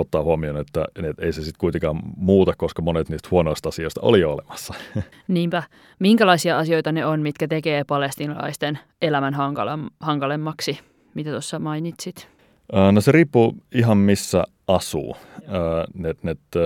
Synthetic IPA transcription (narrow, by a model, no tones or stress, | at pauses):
ot̪ːɑːhuɑmionet̪ːæ̰et̪eisesit̪kuit̪eŋkɑːmmuːt̪ɑkkoskɑmonet̪niːst̪huonoist̪ɑsioist̪ɑo̰lioolemɑsːɑ | niːmpæ | miŋkælɑisiɑɑsio̞jt̪ɑneonmit̪kæt̪ekeːpɑlest̪iːnɑ̰lɑ̰ist̪en | elæmænɦɑŋkɑlhɑŋkɑlemːɑksi | mit̪æt̪osːɑmɑinit̪sit̪ | əːnoseriːpːuiɦɑmmisːæ̰ | ʔɑsṵːəːnet̪net̪